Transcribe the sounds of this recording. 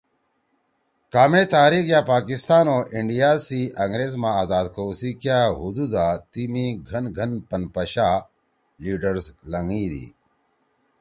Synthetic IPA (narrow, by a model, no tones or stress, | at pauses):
kaːmeːt̪aːɾikjaːpaːkist̪aːnoːʔiɳɖijaːsiːʔɐŋɡɾeːzmãːaːzaːd̪koːsikjaːɦud̪ud̪aːt̪imĩɡʱɐnɡʱɐnpɐnpɐɕaː | liːɖəɾzlɐŋiːd̪ḭː